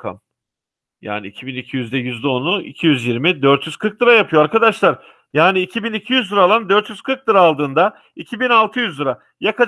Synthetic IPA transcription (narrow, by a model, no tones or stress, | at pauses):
kʰa̰m | ja̰ːniicʰibinicʰijyzd̪ɛjyzd̪ɛo̞nuḭcʰijyzjiɾmid̪øɾt̪jyz̥kʰɯɾk̚d̪ɯɾajapʰɯjoaɾkad̪aʃlˠaɾ | jaːniːcʰibinicʰijyzd̪ɯɾalˠand̪øɾt̪jyz̥kʰɯɾk̚d̪ɯɾaːlˠd̪ɯːnd̪a | icʰibinalˠt̪ʰɯjyzd̪ɯɾa | jakʰa